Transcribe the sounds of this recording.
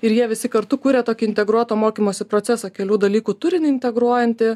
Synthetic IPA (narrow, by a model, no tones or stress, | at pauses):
ɪɾjiɛʋʲɪsʲɪkɐɾt̪ʊkuːɾʲet̪oːkʲɪɪnʲt̪ʲɛɡɾuɔt̪oːmoːkʲiːmoːsʲɪpɾoːt̪sʲɛsɐkʲɛlʲuːd̪ɐlʲiːkuːt̪ʊɾʲɪnʲɪɪnʲt̪ʲɛɡɾuɔjɛnʲt̪ʲɪ